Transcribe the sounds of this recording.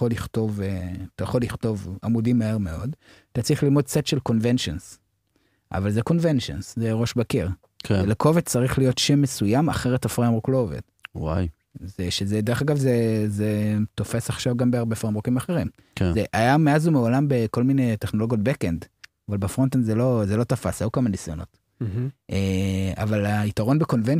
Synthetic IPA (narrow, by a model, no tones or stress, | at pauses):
oliχto̞vetajaχo̞lːiχto̞vamudimːaeʁmeo̞d | at̪at͡sʁiχlilmod̚setʃelko̞nvenʃons | ʔa̰valzeko̞nvenʃo̰nszeʁo̞ʃbakiʁ | keeleko̞vett͡saʁiχlijo̞tʃemːesujama̰χeʁetafʁemʁoklo̞ove̞̰d̥wa̰j | zeʃezedeʁeχaɡavzezeto̞fe̞saχʃavɡambeaʁbefʁemʁokimaχe̞ʁim | kezeʔajameazumeolambe̞ko̞lmineteχnolo̞ɡijo̞t̚bekendavalbefʁont̪enzelo̞zelo̞tafasajukamanisjono̞̰t | ʔea̰valaitaʁo̞nbeko̞nven